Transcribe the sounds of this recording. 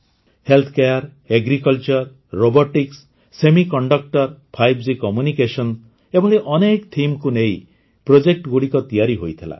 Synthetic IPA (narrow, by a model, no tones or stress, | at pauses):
helt̪ʰkeaɾ | eɡɾikɔlt͡ʃɔɾː | obɔʈiks | semikɔɳɖɔk̚ʈɔɾpʰajbd͡ʒikɔmjunikesɔn | ebʱɔɭeʔɔnekt̪ʰimkunej | pɾod͡ʒek̚ʈɡuɽikɔt̪ijaɾiɦojt̪ʰela̰